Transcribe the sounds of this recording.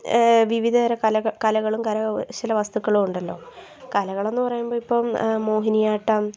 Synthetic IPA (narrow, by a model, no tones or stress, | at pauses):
ʋiʋid̪ʱɐɾɐkɐlɐɣɐɭumkɐlɐt͡ɕilɐʋɐst̪ukːɐɭumuɳɖɐlːo̞̰ː | kɐlɐɣɐɭe̞nːupɐrɐjumboːipːoːmmo̞ːɦinijaːʈːɐm